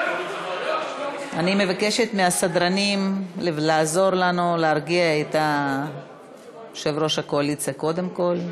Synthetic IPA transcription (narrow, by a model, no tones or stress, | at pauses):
animevake̞ʃet̪measad̪ɾanimlelaːzo̞ɾlanuleaɾɡiaet̪a | ʃevɾo̞ʃakoalit͡sako̞d̪e̞mko̞l